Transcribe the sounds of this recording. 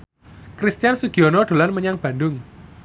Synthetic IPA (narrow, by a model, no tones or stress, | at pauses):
kɾist̪ijansuɡ̥iɔnɔdɖ̥o̤lanməɲaŋb̥a̤ndʊŋ